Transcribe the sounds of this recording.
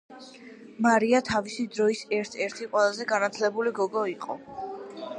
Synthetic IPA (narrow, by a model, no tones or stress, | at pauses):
maɾiat̪ʰavisid̪ɾɔisɛɾt̪ʰɛɾt̪ʰiqʼwɛlˠazɛɡanat̪sʰlɛbuliɡɔɡɔiqʼɔ̰